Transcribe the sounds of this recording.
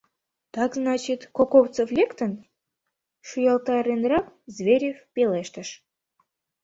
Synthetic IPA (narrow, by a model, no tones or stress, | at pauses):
t̪ɑkznɑt͡ɕit̪kokoft͡soflʲekt̪ən | ʃujɑlˠt̪ɑɾenrɑkzβʲeɾʲefpʲeleʃt̪əʃ